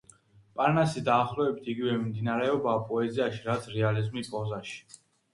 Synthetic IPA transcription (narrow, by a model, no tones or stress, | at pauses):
pʼaɾnasid̪aːχlɔɛbit̪ʰiɡivɛmimd̪inaɾɛɔbaːpʼɔɛziaʃiɾat̪sʰɾɛalizmipʼɔzaʃi̥